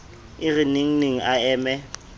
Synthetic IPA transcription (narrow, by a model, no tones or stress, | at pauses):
ɪɣɪneŋ̩neŋ̩aɛːmɛ